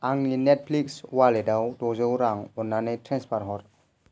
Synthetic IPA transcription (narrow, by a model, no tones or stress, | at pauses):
ʔaŋninɛt̚pʰlikswaledawdɔzɯwɾaŋɔnːanejtʰɾɛnspʰaɾɦɔɾ